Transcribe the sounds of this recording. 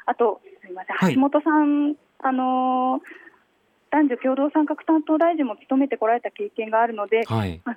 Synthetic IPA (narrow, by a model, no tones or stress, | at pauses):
at̪o̞aɾʲimasẽhaaɕimo̞t̪o̞sãn | ano̞ | d̪̥ãɲ̟d͡ʑokʲo̞ːd̪o̞ːsãŋkakɯ̟̥t̪ãnt̪o̞ːd̪aiʑĩmːo̞kʲi̥t̪o̞me̞t̪eko̞ɾaɾe̞t̪ake̞ːkẽ̞ŋɡaːɾɯ̟no̞d̪e̞ama